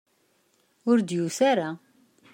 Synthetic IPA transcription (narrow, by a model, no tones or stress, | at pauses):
ʊɾd̪jusaɾa